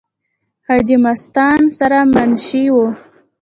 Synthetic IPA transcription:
hɑd͡ʒimast̪ɑnsaɾamanʃiwu

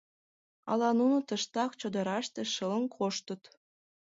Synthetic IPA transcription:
ɑ̰lɑnunut̪əʃt̪ɑkt͡ɕod̪ə̆ɾɑʃt̪ĕʃələ̆nkʰoʃt̪ə̆t̪

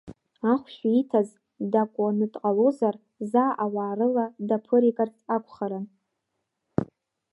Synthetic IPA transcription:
aχʷʃaitʰaz | dakʷʼanɨtʼqʼalozar | zaːʔawaːrɨladapʰɨɾikʼart͡sʰakʷʰʼχaɾan

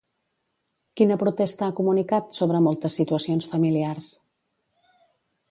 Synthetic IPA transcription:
kinəpɾut̪ɛst̪əakumunikat̪soβ̞ɾəmolˠt̪əsːit̪uəsionsfəmiliars

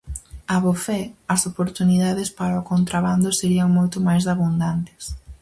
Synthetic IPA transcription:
aβofɛɐsopoɾt̪uniðaðɪspaɾaokont̪ɾaβand̪ʊseɾiɐŋmojt̪ʊmajzaβund̪ant̪ɪ̥s

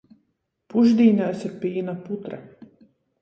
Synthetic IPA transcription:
puʒd̪ʲiːnʲaːsiɾpiːnaput̪ɾa

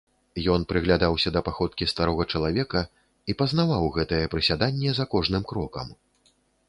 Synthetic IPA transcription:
jɔn̪pɾɨɣlʲad̪awsʲɐd̪ɐpaxɔt̪̚kʲist̪aɾɔɣɐt͡ʂɐlˠavʲɛkɐ | ipɐznavawɣɛt̪ɐjɛpɾɨsʲad̪anʲːɛzɐkɔʐnɨmkɾɔkɐ̰m

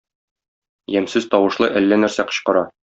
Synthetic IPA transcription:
jæmsɘzt̪ɒwɤ̆ʃlˠɤʔælːænæɾsæqɤ̥̆ɕqɤ̆ɾɑ

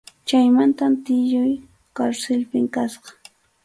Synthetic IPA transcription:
t͡ʃajmant̪amt̪ɪʎʊj | kaɾsɪlpɪŋkasɢɑ̥

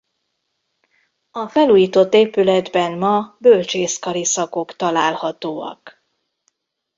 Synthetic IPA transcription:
ɒfɛluːjiːt̪o̞t̪ːeːpylɛd̪bɛnmɒbølt͡ʃeːskɒɾisɒko̞kt̪ɒlaːlhɒt̪oːɒ̰k

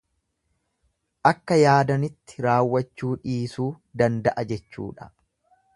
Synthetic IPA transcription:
ʔɐkːɐjaːd̪ɐnɪt̪ːɪ̥ɾaːwːɐt͡ʃːuːᶑiːsuː | d̪ɐnd̪ɐʔɐd͡ʒɛt͡ʃːṵːᶑɐ̥

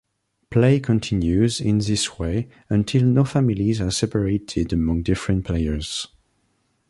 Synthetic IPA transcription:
pʰleɪkʰə̃ntʰɪ̃njʉzɪ̃nðɪsweɪ | ə̃ntʰɪlˠnofæmilizasɛpəɹeɪtʰɪdəmʌ̃ŋdɪfɹə̃ntpʰleɪə˞z̥

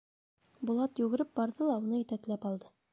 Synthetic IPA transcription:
bulˠɑt̪jʉɡɘ̆ɾɘp̚bɒɾðɤlˠɑunɤit̪æklæpɒlˠd̪ɤ

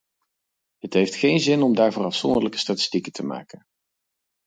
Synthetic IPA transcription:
ɦətɦejftχejnzɪnɔmdaːɹvʊrɑfsɔ̰ndələkə̥staːtɪ̥stikəntəma̰ːkən

